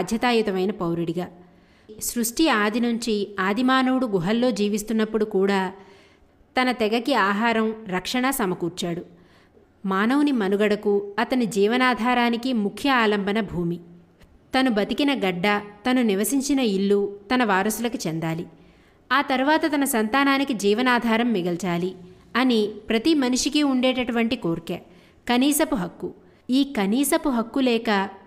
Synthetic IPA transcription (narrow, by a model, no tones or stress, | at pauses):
d̪ʱjɐt̪aːjut̪ɐmɐjnɐpɐwɾiɽiɡaː | sɾuʂʈiaːd̪inuɲt͡ʃiaːd̪ʱimaːnɐwuɽuɡuɦɐlːo̞ːd͡ʒiːʋist̪unːɐpːuɽukuːɽaː | t̪ɐnɐt̪ɛɡɐkiaːɦaːɾɐmɾɐkʂɐɳɐsɐmɐkuːɾt͡ʃaːɽu | maːnɐwunimɐnuɡɐɽɐkuɐt̪ɐnid͡ʒiːʋɐnaːd̪ʱaːɾaːnikimukʰjɐaːlɐmbɐnɐbʱuːmi | t̪ɐnubɐt̪ikinɐɡɐɖːɐt̪ɐnuniʋɐsiɲt͡ʃinɐiɭːut̪ɐnɐʋaːɾɐsulɐkut͡ʃɛnd̪aːli | aːt̪ɐɾuʋaːt̪ɐt̪ɐnɐsɐnt̪aːnaːnikid͡ʒiːʋɐnaːd̪ʱaːɾɐmːiɡɐlt͡ʃaːli | ɐnipɾɐt̪imɐnuʂikiuɳɖeːʈɐʈuʋɐɳʈikoːɾke | kɐniːsɐpuɦɐkːu | iːkɐniːsɐpuɦɐkːulɛːkɐ